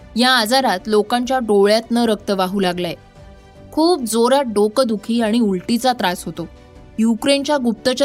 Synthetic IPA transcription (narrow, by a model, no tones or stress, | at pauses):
jaːd͡zaɾat̪lokãɲt͡ɕjaɖoɭjat̪nəɾək̚t̪əʋaɦuːlaɡlaje | kʰuːp̚d͡zoɾaɖokəd̪ukʰiːaɽ̃iulʈit͡sat̪ɾasɦot̪o | jukɾent͡ɕjaɡup̚t̪ət͡ɕə